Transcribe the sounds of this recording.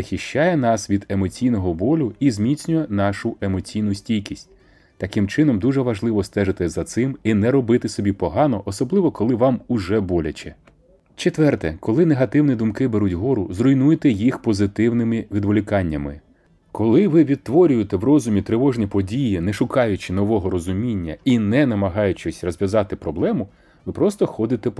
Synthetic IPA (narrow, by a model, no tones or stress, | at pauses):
zɐxʲiʃt͡ʃːɑjɛn̪ɑsʋʲid̪e̞mɔt͡sʲijn̪ɔɦɔbɔlʲʊizmʲit͡sʲnʲʊjɛnɑʃʊʔe̞mɔt͡sʲijnʊsʲtʲijkʲisʲtʲ | t̪ɐkɪmt͡ʃɪnɔmd̪uʒɛʋɐʒlˠɪʋɔst̪ɛʒɪt̪ɪzɐt̪sɪminɛɾɔbɪt̪ɪsɔbʲipɔɦɑnɔʔɔsɔblˠɪʋɔkɔlˠɪʋɑmʊʒɛbɔlʲɐt͡ʃɛ | t͡ʃet̪ʋɛrt̪ɛkɔlˠɪneɦɐt̪ɪwnʲid̪ʊmkɪbeɾutʲɦɔɾʊzrɔjnujet̪ɛjixpɔzɪt̪ɪwnɪmɪʋʲid̪ʋɔlʲɪkɑnʲːɐmɪ̰ | kɔlˠɪʋɪʋʲid̪̚t̪ʋɔɾʲʊjet̪ɛwrɔzʊmʲit̪ɾɪʋɔʒnʲipɔdʲijinɛʃʊkɑjʊt͡ʃɪn̪ɔʋɔɦɔɾɔzʊmʲinʲːɐinɛnɐmɐɦɑjʊt͡ʃɔsʲrɔzʲʋʲjɐzɑt̪ɪpɾɔblˠɛmʊ | ʋɪpɾɔst̪ɔxɔd̪ɪt̪ɛ